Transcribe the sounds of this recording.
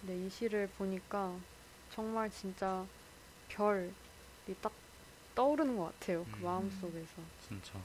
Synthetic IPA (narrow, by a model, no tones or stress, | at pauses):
ne̞iɕʰiɾɯɭpoɲik͈a | t͡ɕʌŋmaɭt͡ɕint͡ɕ͈a | pjʌɭ | it͈ak̚ | t͈ʌuɾɯnnɡʌk͈atʰe̞jokɯmaɯms͈oɡe̞sʰʌt͡ɕint͡ɕa